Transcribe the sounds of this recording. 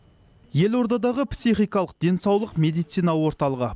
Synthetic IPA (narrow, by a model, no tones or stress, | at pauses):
je̞lo̞ɾd̪ɑd̪ɑʁəpsijχijkɑlˠə̥q̚d̪̥e̞nsɑwlˠəqme̞d̪ijt̪sijnɑwo̞ɾt̪ɑlˠəʁə